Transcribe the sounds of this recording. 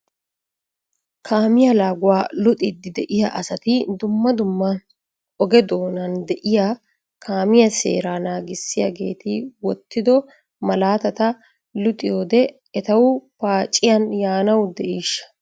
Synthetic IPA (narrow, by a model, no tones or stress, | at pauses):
kʰaːmɪjɐlaːɡʊwaːlɔt̪ʼɪd̪ɪd̪ɛʔɪjaʔɐsɐt̪ɪd̪ʊmːɐd̪ʊmːɐn | ʔɔɡɛd̪oːnɐnd̪ɛʔɪja | kʰaːmɪjɐsḛːɾaːnaːɡɪsːɪjɐ̰ɡe̞̰ːt̪ɪwɔt̪ːɪd̪ɔ | mɐlaːt̪ɐt̪ɐ | lʊt̪ʼɪjoːd̪ɛ | ɛt̪ɐwʊpaːt͡ʃʼːɪjɐnjaːnɐwd̪ɛʔiːʃːɐ̥